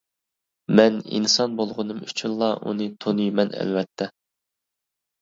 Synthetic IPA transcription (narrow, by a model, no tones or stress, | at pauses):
mɛnḭnsɑnbolˠʁʊnɨmyt͡ʃʰynlˠɑʔṵnɨt̪ʰonujmɛnɛ̰lvɛt̪ʰːɛ